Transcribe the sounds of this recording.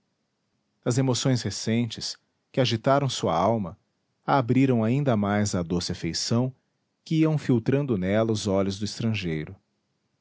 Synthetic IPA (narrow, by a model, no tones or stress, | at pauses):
ɐzemosõj̃shesẽnt͡ʃɪs | kɪaʒit̪aɾɐ̃w̃suɐ̰awmɐ | aːbɾiɾɐ̃w̃aĩnd̪ɐmajzɐd̪osɪɐfejsɐ̃w̃ | kɪiɐ̃w̃fiwt̪ɾɐ̃nd̪ʊnɛlɐʊzɔʎʊzd̪ʊist̪ɾɐ̃ʒejɾʊ